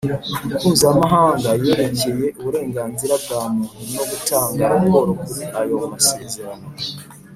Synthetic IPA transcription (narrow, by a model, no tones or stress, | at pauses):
huːzamaɦaːŋɡajeːɾeceje̞ʔuβuɾe̞ːŋɡaːnziɾab̚ɡaːmununo̞ɡutʰaːŋɡaɾako̞ɾokuiajo̞umase̞ːze̞ɾano̞